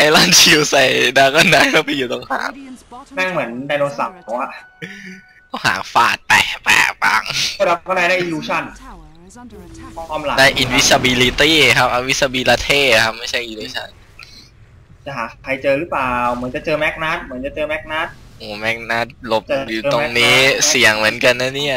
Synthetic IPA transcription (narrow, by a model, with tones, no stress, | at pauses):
a˧˩jlaː˥˩nt͡ɕʰi˧wsa˨˧˩jdaː˧kɔ˥˩nda˧˦jka˥˩pa˧jːuː˨˩t̪ɔ˧ŋha̰ː˩˦ŋnaː˥˩ŋmɯ˨˩˦əndaː˧jnoː˧sa˨˩p̚pʰɔ˨˩waː˥˩ | t̪ɔ˥˩ŋha̰ː˩˦fa̰ː˨˩t̪̚pɛ̰ː˨˩pɛ̰ː˨˩pa̰˧˩ŋo˥˩da˧˩˧kɔ˥˩daː˧˩da˥˩ʔiː˧luː˧t͡ɕʰa˥˩n | kɔ˥˩kʰaː˧mla̰˨˩daː˥˩jʔi˧˩nwi˦˥sa˧biː˧li˧t̪iː˥˩kʰa˦˥p̚ʔa˧wi˦˥t̪̚sa˧biː˧la˧t̪ʰeː˥˩kʰa˦˥p̚ma˥˩jt͡ɕʰa˥˩jʔiː˧luː˧t͡ɕʰa̰˥˩n | t͡ɕa˨˩ɦaː˨˩kʰa˧jt͡ɕɤː˧ɾɯ˦˥plaː˨˩wmɯ˩˦nt͡ɕa˨˩t͡ɕɤː˧mɛ˦˥k̚na˦˥t̪̚mɯ˩˦nt͡ɕa˨˩t͡ɕɤː˧mɛ˦˥k̚na˦˥t̪̚ʔoː˨˩mɛ˦˥k̚na˦˥t̪̚lo˦˥p̚a˨˩˨juː˨˩˧o˧˦˥ŋniː˦˥si˨˩əŋmɯ˩˦ənka˧nːa˦˥˩ni˦˥˩ɐ